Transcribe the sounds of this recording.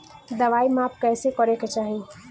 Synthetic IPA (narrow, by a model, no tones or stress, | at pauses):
d̪ɐʋaːimaːp̚kɛːsekɔɾeket͡ʃaːɦi